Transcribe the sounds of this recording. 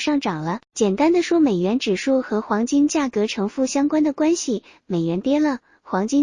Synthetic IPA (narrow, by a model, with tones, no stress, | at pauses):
ʂɑ˥˩ŋʈ͡ʂɑ˨˩ŋlə˦t͡ɕjɛ˨˩nt̪a˥nd̪ə˨ʂwɔ˥me˨˩ɪɥɛ˧˥nʈ͡ʂɻ̩˨˩ʂu˥˩xɤ˧˥xwɑ˧˥ŋt͡ɕi˥nt͡ɕja˥˩kɤ˧˥ʈ͡ʂʰɤ˧˥ŋfu˥˩ɕjɑ˥ŋkwa˥nd̪ə˨˩kwa˥nɕi˨ | me˨˩ɪɥɛ˧˥nt̪jɛ˥lə˨ | xwɑ˧˥ŋt͡ɕi˥